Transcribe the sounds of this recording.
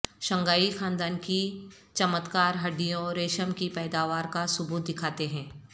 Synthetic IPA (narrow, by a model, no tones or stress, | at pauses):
ʃɐ̃ŋɡaːixãːnd̪aːnki | t͡ʃɐmət̪kaːɾɦɐɖijõɾeːʃəmkipɛːd̪aːʋaːɾkasʊbuːt̪̚d̪ɪkʰaːt̪eɦɛ̃ː